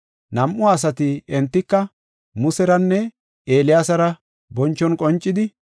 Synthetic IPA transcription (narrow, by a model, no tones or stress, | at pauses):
nɐmʔʊaːs̬ɐt̪ɪɛnt̪ːɪkːɐ | mʊsɛɾɐnːɛ | eːlɪjaːsɐɾɐ | bɔnt͡ʃːɔnkʼɔnt͡ʃʼːɪd̪ɪ